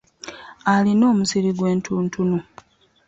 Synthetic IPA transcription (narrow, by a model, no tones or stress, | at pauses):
alino̞ːmusiɾiɡwe̞ːntʰuːntʰunu